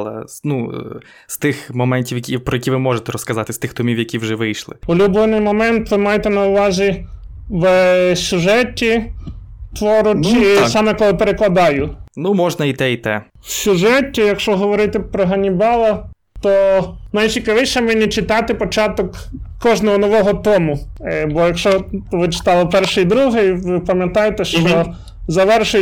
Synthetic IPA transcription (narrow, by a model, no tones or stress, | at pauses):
lˠɐ̰nu | st̪ɪxmɔmɛnʲtʲiwjɐkʲipɾɔjɐkʲiʋɪmɔʒet̪ɛɾɔskɐzɑt̪ɪst̪ɪxt̪ɔmʲiwjɐkʲiwʒɛʋɪjʃlˠɪ̰ulʲublˠɪnɪjmɔmɛnt̪ʋɪmɑjet̪ɛnɐʊʋɑzʲi | ʋsʲʊʒɛtʲːi | t̪ʋɔɾʊt͡ʃisɑmɛkɔlˠɔpeɾeklˠɐd̪ɑjʊnumɔʒnɐit̪ɛit̪ɛ | sʲʊʒɛtʲːijɐkʃt͡ʃɔɦɔʋɔɾɪt̪ɪpɾɔɦɐnʲibɑlˠɐ | t̪ɔnɐjt͡ʃʲikɐʋɪʃɛmɛnʲit͡ʃɪt̪ɑt̪ɪpɔt͡ʃɑt̪ɔk | kːɔʒnɔɦɔnɔʋɔɦɔt̪ɔmʊbɔjɐkʃt͡ʃɔʋɪt͡ʃɪ̥t̪ɑlˠɔpɛrʃejd̪ɾuɦɪjʋɪpɐmʲjɐt̪ɑjet̪ɛʃt͡ʃɔ | zɐʋɛrʃʊ